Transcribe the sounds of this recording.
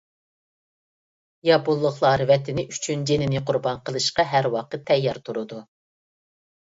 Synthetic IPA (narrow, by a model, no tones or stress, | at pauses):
jɑbulˠːəχlˠɑɾwɛt̪ʰɪnɪʔyt͡ʃʰynd͡ʒenɪnɪqʰʊɾbɑnqʰəlˠɨʃqɑɦæɾwɑqət̪ʰːɛjːɑɾt̪ʰuɾɨd̪u